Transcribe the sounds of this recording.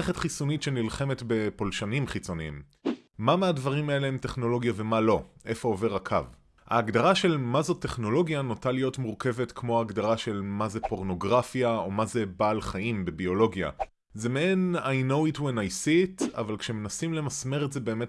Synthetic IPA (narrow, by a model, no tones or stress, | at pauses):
eχetχisonitʃenilχe̞metbe̞polʃanimχit͡so̞niḭm | mameadvaʁimae̞leemte̞χno̞lo̞ɡjave̞malo̞ʔe̞fo̞ːve̞ʁakʰa̰v | ha̰ːɡdaʁaʃe̞lmazo̞tːe̞χno̞lo̞ɡjanotalijo̞tmuʁke̞vetkʰmo̞aːɡdaʁaʃe̞lmazepo̞ʁno̞ɡʁafjao̞maze̞baːlχaimbe̞bio̞lo̞ɡja̰ | zemeenajno̞witwenajsita̰valkʃeme̞nasimle̞masme̞ʁetzebe̞ːme̞t